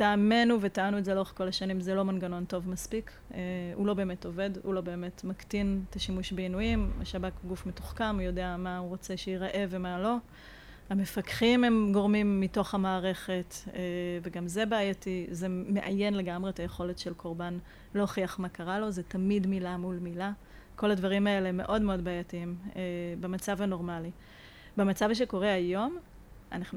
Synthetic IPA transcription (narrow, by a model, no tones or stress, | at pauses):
taːme̞nuvetaanuetzeloeχko̞laʃanimzelo̞manɡano̞nto̞vmaspik | ehṵlo̞be̞ːmeto̞ve̞dhṵlo̞be̞ːme̞tmaktinetaʃimuʃbeinujima̰ʃabakɡufmetoχkamujo̞deamauʁo̞t͡se̞ʃeiʁaʔevemalo̞ | hame̞fakχime̞mɡo̞ʁmimːito̞χhamaːʁe̞χe̞teveɡamze̞baːjatizemeʔajenle̞ɡamʁe̞etajeχo̞le̞tʃelkʰo̞ʁban | lo̞χiaχmakaʁalo̞zetamidmilamulmila | ko̞ladvaʁimae̞lemːe̞̰ʔo̞dmeo̞dbaːjatiimebemat͡savano̞ʁmali | bemat͡savʃ̬eko̞ʁeajo̞m | a̰naχn